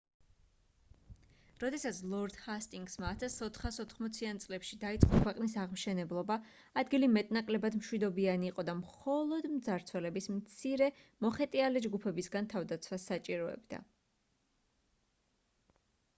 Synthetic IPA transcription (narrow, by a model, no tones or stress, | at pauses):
ɾɔd̪ɛsat̪sʰlˠɔɾd̪̥hast̪ʼiŋɡsmaːt̪ʰasɔt̪ʰχasɔt̪ʰχmɔt̪sʰiant̪sʼlɛpʃid̪ait̪sʼqʼɔkʰwɛqʼnisaʁmʃɛnɛblˠɔbaː | d̪ɡilimɛt̪ʼnakʼlɛbad̪mʃwid̪ɔbianiːqʼɔd̪amχɔlˠɔd̪md̪zaɾt̪sʰwɛlɛbismt̪sʰiɾɛmɔχɛt̪ʼialɛd͡ʒɡupʰɛbisɡant̪ʰavd̪at̪sʰwasat͡ʃʼiɾɔɛ̰bd̪a̰